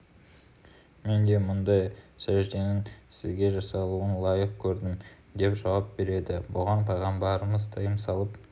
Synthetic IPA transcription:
me̞nd̪e̞mʊnd̪ɑjsæʒd̪e̞nɪŋsɪzɡʲe̞ʒɑsɑlˠuənlˠɑjəqkʲʰɵɾd̪ɪm | d̪e̞pʒɑwɑp̚be̞ɾe̞d̪ɪbʊʁɑnpʰɑʁɑmbɑɾəməzt̪ʰɑjəmsɑlˠəp

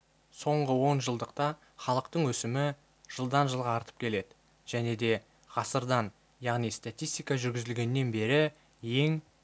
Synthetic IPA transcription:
so̞ɴʁəwo̞nʒəlˠd̪əq̚t̪ɑ | χɑlˠəqt̪əɴwɵsɪmɪ | ʒ̥əlˠd̪ɑnʒəlˠʁɑːɾt̪ə̥p̚kʲʰe̞le̞d̪ɪ | ʒ̥æne̞d̪e̞ | ʁɑsəɾd̪ɑn | jɑʁnijst̪at̪ʲijst̪ijkɑʒʏɾɡʲɪzɪlɡʲe̞nːe̞nbe̞ɾɪ | je̞ŋ

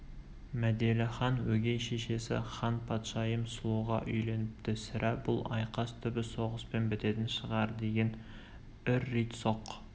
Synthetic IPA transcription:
mæd̪elɪχɑnwɵɡʲejʃeʃe̞sɪ̰χɑnpʰɑt̪ʃɑjəmsʊlˠuʁɑ̰ʔʏjle̞nɪp̚t̪ɪsɪɾʔæbʊ̰lˠɑ̰jqɑst̪ʰʏbɪso̞ʁəspe̞nbɪt̪e̞t̪ɪnʃəʁɑɾd̪e̞ɡʲe̞n | ʏɾːet̪so̞q

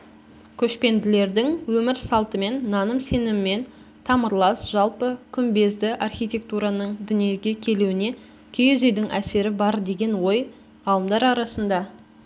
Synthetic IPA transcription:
kʲʰɵʃpe̞nd̪ɪle̞ɾd̪ɪŋwɵmɪɾsɑlˠt̪əme̞nːɑnəmse̞nɪmɪme̞n | t̪ʰɑməɾlˠɑsʒ̥ɑlˠpəkʲʰʏmbe̞zd̪ɪʔɑrχʲijt̪ʲe̞k̚t̪uɾɑnəɴd̪ʏnije̞ɡʲe̞kʲʰe̞luwɪne̞ | kʲʰejezejd̪ɪŋʔæse̞ɾɪbɑɾd̪e̞ɡʲe̞nwo̞j | ʁɑlˠəmd̪ɑɾɑɾɑsənd̪ɑ

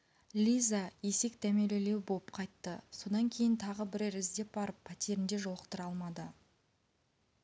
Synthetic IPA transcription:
lʲijzaje̞se̞kd̪æmelele̞wboəpqʰɑjt̪ːəso̞d̪ɑŋkʲʰe̞jɪnt̪ʰɑʁəbɪɾæɾɪzd̪e̞p̚bɑɾəpʰːɑt̪ʲeɾɪnd̪e̞ʒo̞lˠəqt̪əɾɑlˠmɑd̪ə

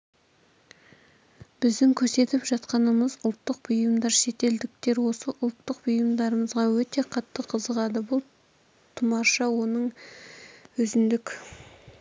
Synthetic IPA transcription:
b̥ɪzd̪ɪŋkʲʰɵɾse̞t̪ɪpʒɑt̪qɑnəməzʊlˠt̪ːəq̚b̥ʊjəmd̪ɑɾʃe̞t̪e̞ld̪ɪk̚t̪e̞ɾwo̞səʔʊlˠt̪ːəq̚bʊjəmd̪ɑɾəməzʁɑwɵt̪e̞qʰɑt̪ːəqʰəzəʁɑd̪əbʊlˠ | t̪ʰʊmɑɾʃɑwo̞nəɴ | ɵzɪnd̪ɪkʲ

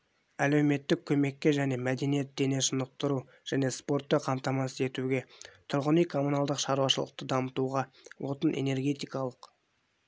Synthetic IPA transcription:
æle̞wme̞t̪ːɪkʲʰɵme̞kʲːe̞ʒæne̞mæd̪e̞nije̞t̪̚d̪e̞ne̞ʃənəq̚t̪əɾu | ʒ̥æne̞spo̞ɾt̪ːeqʰɑmt̪ɑmɑsəe̞t̪uɡʲe̞t̪ʰʊɾʁənijkʰo̞munɑlˠd̪əqʃɑɾuwɑʃəlˠə̰q̚t̪əd̪ɑmət̪uʁɑ | wʔo̞t̪ənḛne̞ɾɡʲe̞t̪ijkɑlˠəq

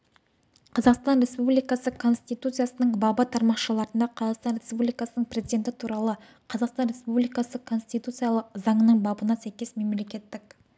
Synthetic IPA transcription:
qʰɑzɑqst̪ɑnɾe̞spublijkɑsəkʰo̞nst̪it̪ut̪sɨjasənəɴbɑbɑt̪ʰɑɾmɑqʃəlˠɑɾənd̪ɑqʰɑzɑqst̪ɑnɾʲe̞spublijkɑsənəɴpre̞zijd̪et̪ɪt̪ʰuɾɑlˠə | qʰɑzɑqst̪ɑnɾe̞spublijkɑsəkʰo̞nst̪ijt̪ut̪sɨjalˠəqzɑɴənəɴbɑbənɑsæjkʲe̞sme̞mle̞kʲe̞t̪ːɪk̚

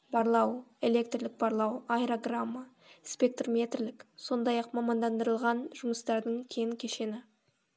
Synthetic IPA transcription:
bɑɾlˠɑwe̞le̞kt̪rlɪk̚bɑɾlˠɑwajɾoɡramːa | spʲe̞k̚t̪rmʲe̞t̪rlɪkso̞nd̪ɑjɑqmɑmɑnd̪ɑnd̪əɾəlˠʁɑnʒʊməst̪ɑɾd̪əɴkʲʰejŋkʲʰe̞ʃe̞nɪ

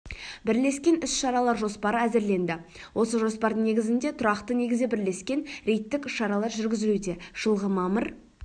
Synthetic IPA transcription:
bɪɾle̞skʲe̞nʏsʃɑɾɑlˠɑɾʒo̞spɑɾəæzɪɾle̞nd̪ɪ | wʔo̞səʒo̞spɑɾd̪əɴne̞ɡʲɪzɪnd̪e̞t̪ʰʊɾɑqt̪əne̞ɡʲɪzɪbɪɾle̞skʲe̞nɾe̞jt̪ːɪkʏʃːɑɾɑlˠɑɾʒʏɾɡʲɪzɪlud̪e̞ʒ̥əlˠʁəmɑməɾ

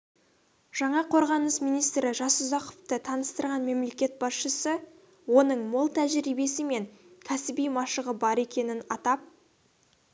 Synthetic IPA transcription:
ʒ̥ɑɴɑqʰo̞ɾʁɑnəsmijnijst̪ɾɪʒɑsʊzɑqə̥ft̪ət̪ʰɑnəst̪əɾʁɑnme̞mle̞kʲe̞t̪̚bɑsʃəsə | wo̞nəɴmolˠt̪ʰæʒɾijbe̞sɪme̞ŋkʲʰæsɪbijmɑʃəʁəbɑɾe̞kʲe̞nɪnɑt̪ɑp̚

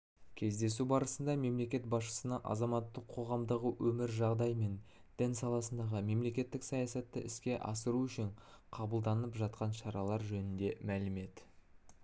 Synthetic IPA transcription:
kʲʰe̞zd̪e̞subɑɾəsənd̪ɑme̞mle̞kʲe̞t̪bɑsʃə̥sənɑʔɑ̰zɑmɑt̪ːəqʰːo̞ʁɑmd̪əʁəwʔɵmɪɾʒɑʁd̪ɑjme̞n | d̪̥ɪnsɑlˠɑsənd̪ɑʁəme̞mle̞kʲe̞t̪ːɪksɑjɑsɑt̪ːə̰ʔɪskʲe̞ʔɑ̰səɾuʏʃɪɴqʰɑbəlˠd̪ɑnəpʒɑt̪̚qɑnʃɑɾɑlˠɑɾʒɵnɪnd̪e̞mælɪme̞t̪ɪ

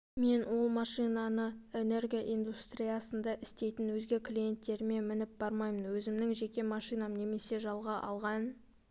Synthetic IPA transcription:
me̞nwo̞lˠmɑʃijnɑnəe̞ne̞rɡʲiaʔijnd̪ust̪rʲijɑsənd̪ɑʔɪst̪e̞jt̪ɪnwɵzɡʲe̞klʲije̞nt̪ːe̞ɾɪme̞nmɪnɪp̚b̥ɑɾmɑjmənwɵzɪmnɪŋʒe̞kʲe̞mɑʃijnɑmne̞me̞se̞ʒɑlˠʁɑʔɑ̰lˠʁɑn

